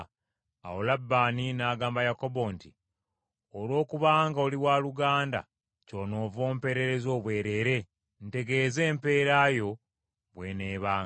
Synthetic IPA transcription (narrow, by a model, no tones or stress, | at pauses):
a̰wolabːaːninaːɡaːmbajako̞bo̞nti | olwo̞ːkuβaːŋɡaoliwaːluɡaːnda̰ | coːno̞ːvo̞ːmpe̞ːɾe̞ɾe̞zo̞ːβwe̞ːɾe̞ːɾe̞ | nte̞ɡe̞ːze̞ːmpe̞ːɾajo̞ | βwe̞neːβaːŋ